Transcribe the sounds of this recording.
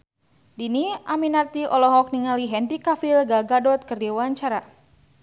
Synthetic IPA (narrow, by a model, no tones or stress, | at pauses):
diniaminart̪iʔɔlɔɦɔk̚niŋaliɦɛndikafilɡaɡadɔt̪̚kərdiwaɲt͡ʃaɾa